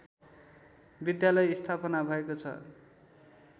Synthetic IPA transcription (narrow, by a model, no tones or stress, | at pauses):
bid̪jalʌjist̪ʰapʌnabʱʌekot͡sʰʌ̰